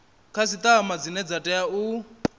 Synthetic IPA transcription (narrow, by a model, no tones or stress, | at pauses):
kʰasit̪ʼaɦamad͡zinɛd͡zatʼɛjau